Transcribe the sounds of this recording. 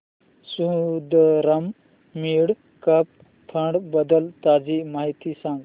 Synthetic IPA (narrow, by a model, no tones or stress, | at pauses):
sud̪əɾəm | miɽ | kəp̚ | pʰəɳɖbəd̪əlt̪ad͡zimaɦit̪isãŋɡ